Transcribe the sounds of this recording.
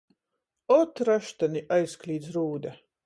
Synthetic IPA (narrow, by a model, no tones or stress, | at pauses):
ɔt̪ɾaʃt̪aniʔajsklʲiːd̪zɾuːd̪a